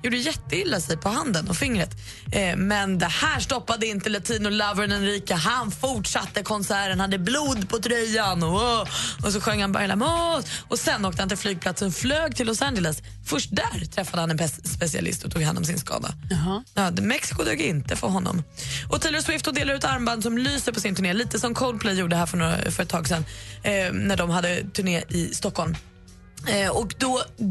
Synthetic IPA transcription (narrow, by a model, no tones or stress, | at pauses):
juːɖəjɛt̪ːəɪlːasɛjpʰɔhand̪ənɔfɪŋːɾət̪ | mɛnd̪ɛhæːʂʈɔpːad̪əɪnt̪əlat̪ʰiːnʊlavənɛnɾiːkəɦanfʊʈʂat̪ːəkʰɔnsæːɾənhad̪ːəbluːd̪pʰɔt̪ʰɾœjːanɔ | ɔs̬ɔɧœŋːhanba̰ɾjlamɔɔsɛnːoːkt̪əhant̪ʰɪlflyːɡ̚pʰlat̪sənɔfløːɡt̪ʰɪlːɔsænd͡ʒələs | fœʂʈ̚d̪æɾt̪ʰɾɛfːad̪əhanɛnpʰɛsspɛsɪa̰lɪ̰st̪ɔt̪ʰuːɡha̰nːɔ̰msɪnskɑ̰ːd̪a̰ɑmɛksɪ̥kʊd̪uːɡɪnt̪əfʰɔɾɦɔnːɔ̰mʔɔt̪ʰiləswɪft̪ɔd̪eːlaɾʉ̟ːt̪aɾmband̪s̬ɔmlyːsəɾpʰɔsɪnt̪ʰɵɳeːliːt̪əsɔmkʰɔʊl̚pʰlɛjjuːɖəəɦæːɾfœɳoːɾa̰fœɾɛt̪ːʰɑːɡsɛnː | næɖɔmhad̪ːət̪ʰɵɳeːɪst̪ɔkːɔlm | ɔkd̪ɔ